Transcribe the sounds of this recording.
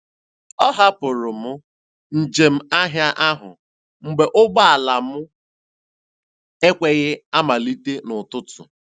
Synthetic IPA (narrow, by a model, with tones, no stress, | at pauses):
ɔ˦ɦa˦pʊ˨ɾʊ˨mʊ˦ | n̩˨d͡ʒe˨m̩˦a˦ɦja˦ʔa˦ɦʊ˨ | ŋ͡m̩˦ɡ͡be˨ʔʊ˦ɡ͡ba˦a˨la˨mʊ˦ | e˦kʷe˦ɣɪ˦a˦ma˨li˦te˦nʊ˨tʊ˦tʊ̰˨